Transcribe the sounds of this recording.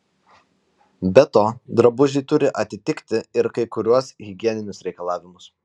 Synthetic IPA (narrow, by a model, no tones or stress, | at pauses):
bʲɛt̪oːd̪ɾɐbʊʒʲɪt̪ʊɾʲɪʔɐt̪ʲɪt̪ʲɪkʲt̪ʲɪɪɾkɐɪkʊɾʲuɔsɣʲɪɡʲiɛnʲɪnʲʊsɾʲɛɪkɐlˠɑːʋʲɪmʊs